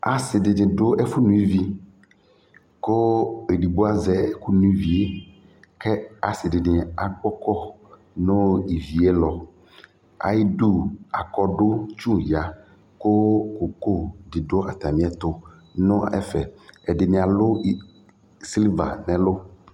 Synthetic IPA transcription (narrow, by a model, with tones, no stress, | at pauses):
a˨sɪ˨ɖe˨nɪ̃˨ɖo˦ʔe˦fu˦nũ˦i˦vi˦ | ko˦e˨ɖi˨ɡ͡bo˦a˦zɛ˦ku˦nũ˦i˦vi˨e˦ | kɛ˦a˨sɪ˨ɖe˨nɪ̃˨a˨k͡pɔ˦kɔ˦ | nõ˦i˨vi˨e˦lɔ˨ | a̰˨i˦du˦a˨kɔ˦ɖo˦t͡ʃũ˦ja˨ | ko˦ko˨ko˦di˨ɖo˦a˨t̪a˨mĩ˦ɛ˦t̪o˦ | nõ˦ɛ̰˦fɛ˨ɛ˨ɖɪ˨nẽ˨a˨lo˦ | si˦lva̰˨nɛ̃˨lo˦